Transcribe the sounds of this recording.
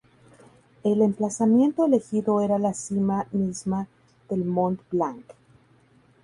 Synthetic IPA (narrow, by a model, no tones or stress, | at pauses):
e̞le̞mplasamje̞nt̪oele̞xiðo̞e̞ɾalasimamizma | ðe̞lmõnt̪blaŋk